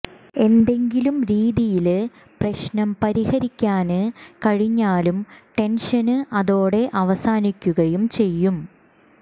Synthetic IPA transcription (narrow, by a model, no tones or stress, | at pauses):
e̞nd̪e̞ŋɡilumɾiːðijil | prɐɕnɐmpɐɾihɐɾikʲːaːnɨkɐɻiɲːaːlumʈe̞nʂɐnɨʔɐðoːɽe̞ʔɐʋɐsaːnikʲːuɣɐjumt͡ɕe̞jːum